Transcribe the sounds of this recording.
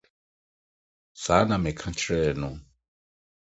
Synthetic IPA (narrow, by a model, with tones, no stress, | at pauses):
sa˨˦na˨mɛ˨kʰã˦t͡ʃʰɾɛ˦˨nʊ˨